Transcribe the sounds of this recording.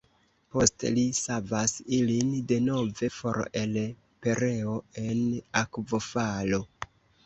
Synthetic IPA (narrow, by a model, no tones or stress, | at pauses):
po̞stlisavasilinde̞no̞ve̞fo̞̰ɾe̞l | pe̞ɾe̞oe̞nakvo̞falo̞